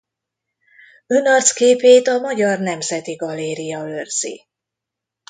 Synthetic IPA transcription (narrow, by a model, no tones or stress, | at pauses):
ønɒrt̪skeːpeːt̪ɒmɒɟɒrnɛmzɛt̪iɡɒlːeːɾijɒørz̥ḭ